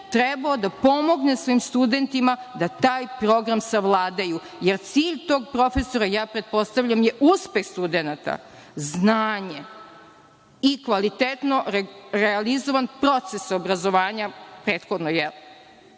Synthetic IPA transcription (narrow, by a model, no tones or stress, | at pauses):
t̪ɾebaod̪apo̞mo̞ɡnesvoimst̪ud̪e̞nt̪imad̪at̪aːjpɾo̞ɡɾamsaʋlˠaːd̪aju | jeɾt̪siːʎt̪o̞ːɡ̚pɾo̞fe̞so̞ɾajaːpɾet̪̚po̞st̪aʋʎamjeʔuspe̞xst̪ud̪enat̪a̰ | znaːɲe | ikʋalit̪et̪no̞ɾɾealizoʋanpɾo̞t̪se̞sobɾazo̞ʋaːɲapɾeːt̪xod̪nojɛl